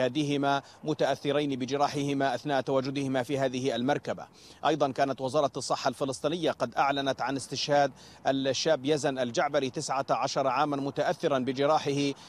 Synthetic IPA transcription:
haːd̪ɪɦɪma | mʊt̪aʔaθːɪɾajnbɪd͡ʒɪɾɑːħɪhɪmaʔaθnaːʔt̪awaːd͡ʒʊd̪ɪhɪmafiːɦaːðɪhɪʔalmɑɾˤkaba̰ | ʔɑjðˤɑnkaːnat̪wɪzɑːɾˤɑɑsˤːɨħːalfɪlɨsˤt̪ˤiːnɪjːaqɑd̪ʔaʕlanat̪ʕanɪst̪ɪʃhaːd̪ | ʔalʃːaːbjazanʔald͡ʒaʕbaɾit̪ɪsʕaʕaʃɑɾˤɑʕaːmanmʊt̪aʔaθːɪɾˤɑnbɪd͡ʒɪɾaːħɪhɪ

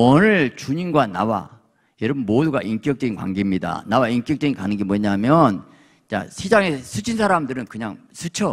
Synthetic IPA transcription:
ʌnɯɭt͡ɕuɲinɡwanawa̰ | jʌɾɯbnːoduɡaʔink͈jʌk̚t͈einkwa̰nɡe̞mɲida̰nawaink͈jʌk̚t͈weinkanɯnŋɡe̞mwʌɲamjʌn | t͡ɕ͈a̰sʰed͡ʑaŋe̞sʰuɕʰinsʰaɾamdɯɾɯnkɯɲa̰ŋsʰɯt͡ɕʰʌ

